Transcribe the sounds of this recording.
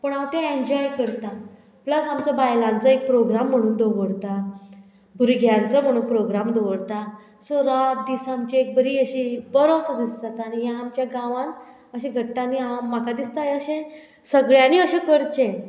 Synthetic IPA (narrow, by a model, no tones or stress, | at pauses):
pəɳaʋt̪ẽẽɲd͡ʑɔjkəɾt̪a | pləsamt͡ɕabajlãnt͡səek̚pɾoɡɾam̤ːəɽ̃uːnd̪oʋəɽt̪a | bʱuɾiɡʱjant͡səm̤əɽ̃uːnpɾoɡɾamd̪oʋəɽt̪a | soɾad̪isamt͡ɕiek̚bəɾiːəɕibəɾosəd̪ist̪at̪anijãːmt͡ɕjaɡãʋãn | əɕẽɡʱəɽt̪aniamakad̪ist̪ajəɕẽ | səɡɭjaniəɕẽkəɾt͡ɕẽ